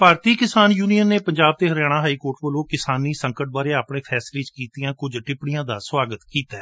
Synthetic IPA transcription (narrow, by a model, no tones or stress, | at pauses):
paːɾt̪iːkɪsaːnjuːnijənːeːpəɲd͡ʒaːb̚t̪eːɦəɾjaːɽ̃ãːɦaːiːkoːɾʈʋəlõːkɪsaːniːsəŋkəʈ̚baːɾeːaːpɳeːpʰɛːslẽːt͡ʃkiːt̪ijãːkʊd͡ʒʈɪpɽɪijãːd̪aːswaːɡət̪kiːt̪aɛː